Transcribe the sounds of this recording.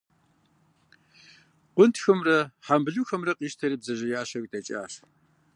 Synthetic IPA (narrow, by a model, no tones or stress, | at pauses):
qʷʊntʰxɐmrɐħambɨɮuːxɐmrɐqʼiːʃtʰɐɾiːbzɐʒɐjaːɕɐktʰɐt͡ʃʼa̰ːf